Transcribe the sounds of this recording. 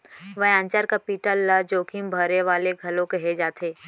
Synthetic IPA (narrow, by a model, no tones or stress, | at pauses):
ʋəɦãːnt͡ʃaɾkapiːʈəlːəd͡ʒoːkimbʱɐɾeʋaːleɡʱɐlõkɛɦed͡ʒaːt̪ʰeː